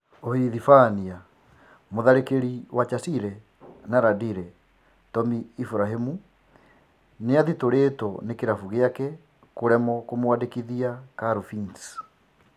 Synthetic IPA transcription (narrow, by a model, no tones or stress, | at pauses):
ohiðifania | moðaɾekeɾiwat͡ʃasiɾɛ | naɾadiɾɛ | tɔmiːfuɾaɦemu | neaðitoɾetɔnekeɾafuɣeakɛ | koɾɛmɔkomowadekiðiakaɾufins